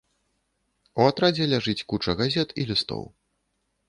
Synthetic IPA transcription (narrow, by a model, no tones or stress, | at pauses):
uat̪ɾad͡zʲɛlʲaʐɨt͡sʲkut͡ʂɐɣazʲɛt̪ilʲist̪ɔ̰w